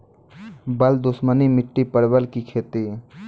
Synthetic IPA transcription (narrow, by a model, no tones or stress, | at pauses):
bəld̪ʊsmənimɪʈːipəɽbəlkikʰeːt̪i